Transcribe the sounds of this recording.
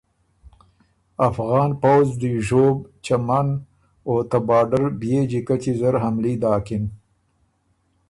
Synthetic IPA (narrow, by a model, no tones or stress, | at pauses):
afɣɑːnpawzd̪iʒoːbt͡ʃaman | ot̪abɑːɖəɾbjed͡ʒikat͡ʃizaɾɦamlid̪ɑːkin